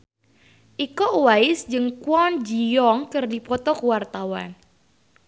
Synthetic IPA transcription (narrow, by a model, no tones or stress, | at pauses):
ʔikɔʔwaɪsd͡ʒɨŋkwɔnd͡ʒijɔŋkərdipɔt̪ɔkuwart̪awa̰n